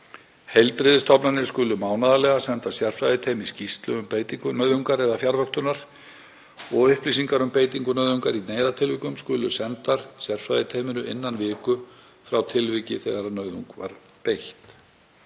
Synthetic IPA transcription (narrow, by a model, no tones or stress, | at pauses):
hejlt̪ɾɪðɪst̪ʰɔpnanɪɾ̥skʏlʏmaːwnaðalɛɣasɛnt̪asjɛr̥fɾajðɪt̪ʰeːjmɪscist̪lʏ̰ʏmpeːjt̪iŋkʏnœːɥðuŋkaɾɛðafjaɾvœkt̪ʏnaɾ̥ | ɔɣʏhplisiŋkaɾʏmpeːjt̪iŋkʏnœɥðʏŋkaɾineːjðat̪ʰɪlvikʏmskʏːlʏ̰sɛnt̪aɾ̥sjɛr̥fɾa̰jðɪt̪ʰejmɪnʏʔɪnːanvɪːkʏ | fɾawt̪ʰɪlvicɪθɛɣaɾanœːɥðuŋkva̰ɾ̥ | pejht̪